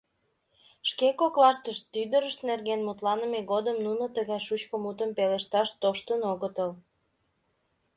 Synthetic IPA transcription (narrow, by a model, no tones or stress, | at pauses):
ʃkekoklɑʃt̪əʃt̪ːyd̪əɾəʃt̪nerɣenmut̪lɑnəmeɣod̪əmnunot̪əɣɑjʃut͡ɕkomut̪əmpeleʃt̪ɑʃt̪oʃt̪ənoɣət̪əl